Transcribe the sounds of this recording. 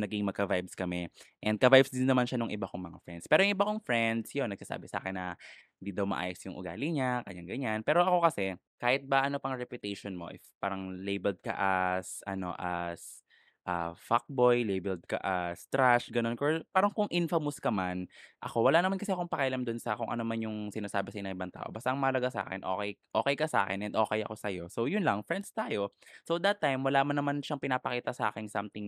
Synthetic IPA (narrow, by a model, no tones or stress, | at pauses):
nɐɡiŋmɐɡkːɐvajbskɐmɛʔɛnd̪kɐvajbsd̪ɪnːɐmanʃanoŋʔɪbakoŋmɐŋa̰fɹɛ̰nd̪spɛːɾojʊŋʔɪbakoŋfɹɛnd̪sjonːɐɡ̚sɐsa̰ːbɪsɐa̰ːkɪnːɐhɪnd̪iːd̪ɐwmɐ̰ʔa̰ːjosjʊŋʔʊ̰ɡa̰ːlɪɲakɐ̰ɲaŋɡɐɲanpɛːɾo̞ʔɐko̞kɐsɛ | kaːhɪt̪̚bɐʔɐno̞pɐŋɾɛpjʊt̪ɛjʃonmo̞̰ʔɪ̰fpaːɾɐŋlejbɛld̪̚kɐ̰ʔɐsʔɐ̰no̞̰ʔɐs | ʔa̰fak̚bo̞jlejbɛld̪̚kɐ̰ʔast̪ɾaʃɡɐnonkopaːɾɐŋkʊŋʔɪnfɐmʊskɐmanʔɐko̞wɐlanɐmankɐsɛɐkoŋpɐkɐʔɐlamd̪ʊnsɐkʊŋʔɐ̰noɐmanjʊŋsɪnaːsaːbɪsɐʔɪnɐŋʔɪbaŋt̪a̰ːʔo̞bɐst̪aɐʔɐŋmɐʔlɐɡasa̰ːkɛ̰nʔo̞̰ːkɛjʔoːkɛjkɐsʔa̰ːkɛnʔɛnd̪ʔo̞ːkɛjɐ̰ko̞sɐjo̞sowjʊnlɐŋfɾɛnd̪̚st̪aːjo̞sowd̪ɐt̪ːajmwɐlaːmanːɐmanʃɐŋpɪnaːpɐkiːt̪ɐsɐʔa̰ːkɪnsamt̪ɪŋ